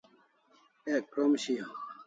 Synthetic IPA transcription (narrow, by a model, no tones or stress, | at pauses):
ekɾomɕijo